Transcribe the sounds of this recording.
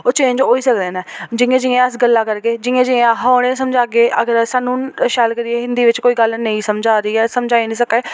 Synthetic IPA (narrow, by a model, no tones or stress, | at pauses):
oːt͡ʃeːɲd͡ʒoːiːsəkd̪ẽːnɛːd͡ʒɪẽːd͡ʒɪẽːəsɡəlːaːkəɾkeːd͡ʒɪẽːd͡ʒɪ̃ãɦaːɽ̃ẽːsəmd͡ʒaːɡeːʔəɡəɾsaːnũːʃaːlkəɾieːɦɪ̃nd̪iːʋɪt͡ʃkoːiːɡəlnəĩːsəmd͡ʒaːɾiːɛːsəmd͡ʒaːiːnĩːsəkeː